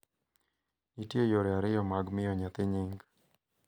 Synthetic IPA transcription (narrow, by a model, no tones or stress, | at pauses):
nitjejoɾeaɾɪjɔmaɡmɪjɔɲat̪ɪɲɪŋɡ